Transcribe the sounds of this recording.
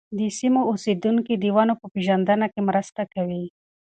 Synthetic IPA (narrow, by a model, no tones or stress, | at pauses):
d̪əsimoused̪uŋkid̪iwɑnopəpeʒand̪ənakemɾəst̪akawi